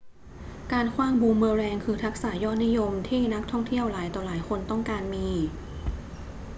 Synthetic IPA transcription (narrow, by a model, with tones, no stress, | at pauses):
kaː˧nkʰwaː˧˥˩ŋbuː˧mːɤː˧ɾɛː˧ŋkʰɯː˧t̪ʰa˦˥k̚saː˩˦jɔː˥˩t̪̚ni˦˥jo˧mt̪ʰiː˥˩na˦˥k̚t̪ʰɔ˥˩ŋt̪ʰi˥˩əwlaː˩˦jt̪ɔː˨˩laː˩˦jkʰo˧nt̪ɔ˥˩ŋkaː˧nmiː˧